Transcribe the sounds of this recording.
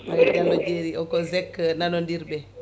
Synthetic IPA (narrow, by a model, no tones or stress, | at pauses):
ad͡ʒanɔd͡ʒeɾiɔkɔzɛkːnanɔndiɾbɛ